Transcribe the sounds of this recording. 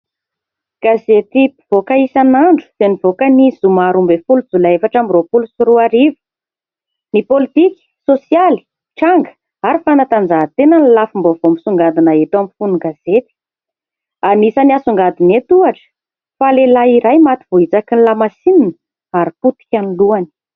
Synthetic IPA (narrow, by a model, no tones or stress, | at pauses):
ɡ̥azet̪ipi̥v̥okaisanaɳɖ͡ʐu̥z̥enivokənizumaɾumbefulud͡zulaefaʈ͡ʂamiropulusiɾuaɾivə̥ | nipolit̪iki̥sosiali̥ | ʈ͡ʂaŋɡə̥ | aɾifanat̪and͡zaɦt̪enanilafimbovomisuŋɡad̪inaet̪amfunuɡaz̥et̪i̥ | anisəniasuŋɡad̪inet̪uaʈ͡ʂə̥ | falelaiɾajmat̪iv̥oit͡sakinlamasininə̥ | aɾiput̪i̥kʲaniluani̥